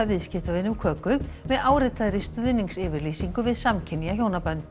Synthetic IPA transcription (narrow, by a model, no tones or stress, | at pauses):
avɪðscɪft̪avɪnʏmkʰœːkʏmvɛðaːwɾɪt̪aðɾɪst̪ʏðniŋksɪːvɪɾlisiŋkʏvɪðsamcʰɪnːiaçjoːwnapœnt̪